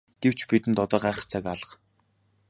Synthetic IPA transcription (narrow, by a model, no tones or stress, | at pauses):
ɡ̥ew̥t͡ɕʰpit̪ɘ̆nt̪ɔt̪ɔːɢaːχə̥̆χt͡sʰakaɮə̥̆χ